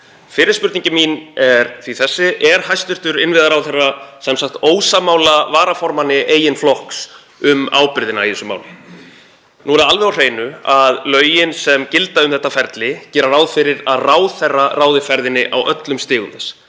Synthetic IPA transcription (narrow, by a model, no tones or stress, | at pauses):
fɪːɾɪspʏɾt̪iɲcɪminɛɾθviθɛsːɪʔɛɾ̥hajst̪ʏ̥t̪ʏɾɪnvɪðaɾawðθɛrːasɛmsakt̪oːwsamaːwlavaːɾafɔɾmanɪʔeːjɪnflɔhks | ʏma̰ːwpɪɾðɪnaiθɛsʏma̰ːwlɪ | nuːɾɛalvɛɾawr̥eːjnʏaðlœːɥjɪnsɛmcɪlt̪aʏmθɛht̪ːafɛɾt̪lɪcɛːɾaraːwðfɪɾɪɾaðraːwðθɛrːaraːwðɪfɛɾðɪnːɪʔawʔœt̪lʏmst̪ɪːɣʏnθɛs